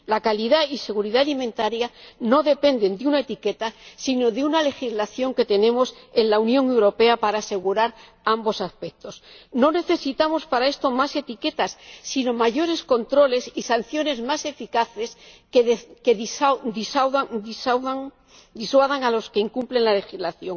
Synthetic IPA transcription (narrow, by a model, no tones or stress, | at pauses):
lakaliðaise̞ɣuɾiðaːlimẽ̞nt̪aɾjano̞ðe̞pe̞nd̪e̞nd̪eunaet̪ike̞t̪asino̞ðeunale̞xizlaθjo̞ŋke̞t̪e̞nẽ̞mo̞se̞nlaunjo̞ŋe̞wɾo̞pe̞apaɾaːse̞ɣuɾaɾ | ambo̞saspe̞k̚t̪o̞sno̞ne̞θe̞sit̪amo̞spaɾae̞st̪o̞mase̞t̪ike̞t̪asːino̞maʝo̞ɾe̞sko̞nt̪ɾo̞le̞sisanθjo̞ne̞zmase̞fikaθe̞skeked̪isawðad̪isawðaŋ | d̪iswaðaŋalo̞ske̞iŋkumple̞ŋlale̞xizlaθjo̞ŋ